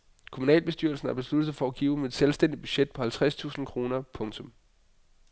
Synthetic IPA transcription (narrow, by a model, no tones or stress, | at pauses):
kʰomunɛ̰ːlb̥e̝sd̥yɐl̩sn̩æɐb̥e̝slud̥ð̩ˠfɒæɡ̥iːʊmeed̥selsd̥en̰di̥b̥yɕed̥̚pʰɒ̽hælt͡sʰʁast͡sʰṵːsn̩kʰʁo̝ːnɐpʰɔ̽ŋt͡sʰɔ̽m